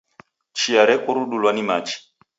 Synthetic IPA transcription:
t͡ʃiaɾɛkuɾuɗulwanimat͡ʃi̥

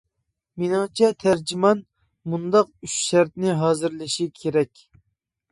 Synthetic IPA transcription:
menɨŋt͡ʃʰɛt̪ʰæɾd͡ʒimɑn | mund̪ɑqyʃʃæɾt̪nɪɦɑːzɨɾlɪʃikʲʰeɾɛkʲ

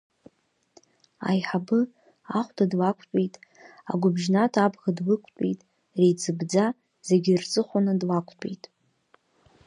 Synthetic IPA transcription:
a̰jħabɨ | aχʷtʰadlakʷʰʼtʼejtʼ | a̰ɡʷʊbʒnatʰabɣadlɨkʷʰtʷʼḭjtʼ | rejt͡sʰʼɨbd͡za | z̥eɡʲirt͡sʼɨχʷanadlakʷʼʰtʷʼḛjtʼ

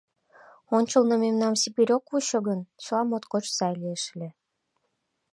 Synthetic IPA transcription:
onʲt͡ɕə̆lnɤ̆memnɑmsibiɾʲokuɕɤ̆ɣənslɑmot̪kot͡ɕsɑjlieʃlʲe

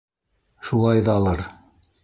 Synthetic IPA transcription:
ʃulˠɑjðɑːlˠɤɾ

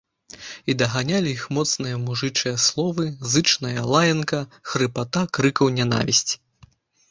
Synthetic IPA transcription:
id̪ɐɣanʲalʲiixmɔt̪snɨjɐmuʐɨt͡ʂɨjɐslˠɔvɨzɨt͡ʂnɐjɐlˠajɐnkɐxɾɨpat̪akɾɨkɐwnʲana̰vʲisʲt͡sʲ

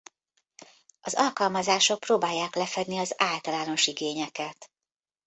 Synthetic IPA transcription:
ʔɒzɒlkɒlmɒzaːʃo̞k̚proːbaːjːaːklɛfɛd̪niɒzaːlt̪ɒlaːno̞ʃiɡeːɲɛkɛt̪

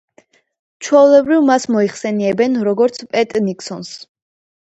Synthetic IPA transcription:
t͡ʃʰwɛulɛbɾivmasmɔiχsɛniɛbɛnɾɔɡɔɾt̪sʰpʼɛt̪ʼnikʰʼsɔns

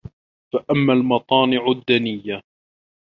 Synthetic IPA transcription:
faʔamːalmɑt̪ˤɑːnɪʕʊd̪ːanɪjːa

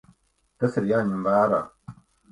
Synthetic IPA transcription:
t̪ɐsəɾjaɲimbaːɾa

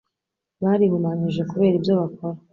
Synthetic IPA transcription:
βaːɾihumaɲiʒe̞kuβe̞ːɾibjoβako̞ɾa

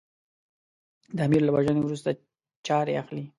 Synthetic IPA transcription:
d̪əamiɾlawaʒənewɾus̬t̪a | t͡ʃɑɾeaxli

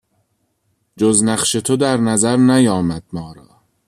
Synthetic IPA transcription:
d͡ʒoznæχʃe̞t̪ʰod̪æɾnæzæɾnæjɒːmæd̪̚mɒːɾɒː

